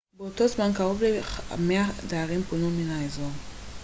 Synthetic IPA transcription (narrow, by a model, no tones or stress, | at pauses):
beotozmankaʁovlea̰meadaːʁimponuminaezoʁ